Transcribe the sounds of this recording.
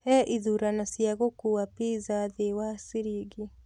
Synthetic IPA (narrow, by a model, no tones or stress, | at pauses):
ɛʔiðuːɾanasjaɣokuwapizaðewasiɾiɣi